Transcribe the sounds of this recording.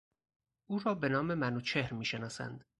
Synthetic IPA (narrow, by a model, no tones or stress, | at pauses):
ʔuːɾɒːbe̞nɒːme̞mænuːt͡ʃʰe̞hɾmiːʃe̞nɒːsæ̰nd̪̥